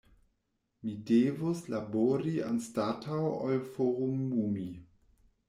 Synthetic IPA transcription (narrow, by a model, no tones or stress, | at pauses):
midevoslaboɾia̰nstatʰawalfoʁumːumi